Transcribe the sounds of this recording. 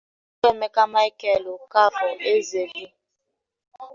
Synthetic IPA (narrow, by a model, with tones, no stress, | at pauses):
k͡pe˦˨me˦ka˦ma˦i˦kɛ˦lo˨ka˦vɔ˨ʔe˦ze˨bi˦